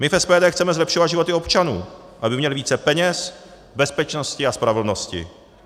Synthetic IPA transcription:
mɪfɛspɛːdɛːxt͡sɛmɛzlɛpʃovad̪ʒɪvot̪ɪo̞pt͡ʃanuː | ʔabɪmɲɛlɪviːt͡sɛpɛɲɛs | bɛspɛt͡ʃnoscɪaspɾavɛl̩no̞scɪ̰

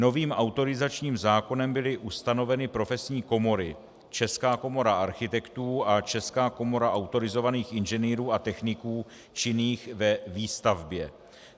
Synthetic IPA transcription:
no̞viːmʔawt̪o̞ɾɪzat͡ʃɲiːmzaːko̞nɛmbɪlɪʔust̪ano̞vɛnɪpɾo̞fɛsɲiːko̞mo̞ɾɪ | t͡ʃɛskaːko̞mo̞ɾaʔaɾxɪt̪ɛkt̪uːat͡ʃɛskaːko̞mo̞ɾaʔawt̪o̞ɾɪzo̞vaniːxɪnʒɛniːɾuːat̪ɛxnɪkuː | t͡ʃɪniːxvɛviːst̪avbjɛ

